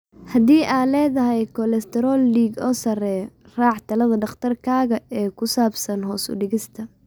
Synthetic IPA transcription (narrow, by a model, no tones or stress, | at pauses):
hɐðiːʔaːlɛːðɐɦɛjkʰɔlɛst̪ʰɛɾɔːlːiːɡɔːsɐrɛːj | raːʕt̪ʰɐlɐðɐɖɑχt̪ʰɐrkʰaːɣɐɛːkʰʊsaːbsɐnɦɔːsʊ̰ɖɪɣɪst̪ʰɐ